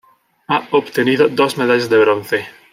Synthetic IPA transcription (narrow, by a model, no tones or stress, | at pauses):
aobt̪eniðod̪osmeðaʎezðeβɾonθe